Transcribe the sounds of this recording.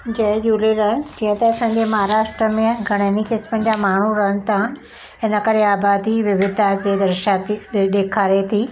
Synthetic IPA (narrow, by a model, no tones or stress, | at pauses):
d͡ʑɐɦɪ̃d͡ʑuːleɾɐɦəñd͡ʑĩɦə̃t̪ɐɐsãːɲd͡ʑemɐɦaɾaːʃʈɾəmẽɡʱɐɽ̃ənikɪsmənd͡ʑamaːɳ̤uɾɐɦəɽ̃ə̆t̪ʰa | ɦɪnəkɐɾeaːbaːd̪iʋɪʋɪd̪ʱad͡ʑeːd̪ɐɾʃat̪iɗeːkʰaːɾet̪ʰiː